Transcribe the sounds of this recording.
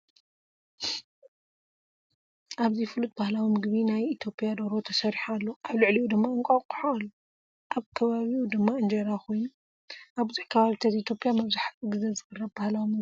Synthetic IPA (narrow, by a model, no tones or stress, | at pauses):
ʔaβzifɨlut̪̚bahlawimɨɡβinajit̪ʰjo̞pʼjad̪oɾo̞t̪ʰɐsɐɾiħalːoʔaβlɨʕliʔud̪ɨmːaɨŋkʷʼakʼu̥ħaalːu | ʔaβkʰɐβaβiud̪ɨmːaɨnd͡ʒɐɾakʰo̞jnu | ʔaβbuzuħkʰɐβaβit̪ʰɐzit̪ʰjo̞pʼjamɐβzaħat͡sʼɨɡɨzezɨɡɨrːɐβbahlawimɨɡ